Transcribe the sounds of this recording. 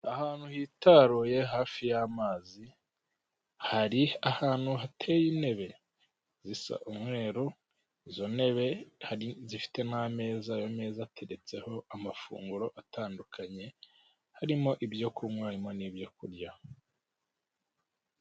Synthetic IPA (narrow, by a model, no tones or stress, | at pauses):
ahaːn̥huhiːtaɾoje̞ɦaːfijamaːzi | haɾiahaːn̥huɦatʰe̞jine̞βe̞ | zisa̰ʔumwe̞ːɾu | izo̞ne̞βe̞haizifi̥te̞name̞ːzajo̞me̞ːzatʰe̞ɾe̞t͡se̞ho̞amafṵːŋɡuɾo̞ʔataːndukʰaɲe̞ | haɾimo̞ʔibjo̞kʰumwaɾimo̞nibjo̞kuɾɟa